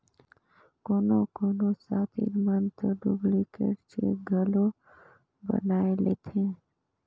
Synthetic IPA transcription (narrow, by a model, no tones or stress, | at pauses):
koːnoːkoːnoːsaːt̪ʰḭɾmənt̪əɖuɡlikḛɽt͡ʃʰḛɡʱəlo | bə̰naːeleːt̪ʰẽː